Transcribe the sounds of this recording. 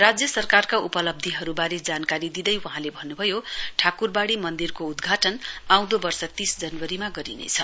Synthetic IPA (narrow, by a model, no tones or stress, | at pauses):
rad͡zjʌsʌrkarkaupʌlʌb̚d̪ʱiɦʌɾubaɾed͡zankaɾid̪id̪ʌjwʌ̃ɦãlebʱʌnːubʱʌjoʈʰakurbaɽimʌnd̪irkoud̪ɡʱaʈʌnaw̃d̪obʌrsʌt̪isd͡zʌnwʌɾimaɡʌɾinḛt͡sʰʌ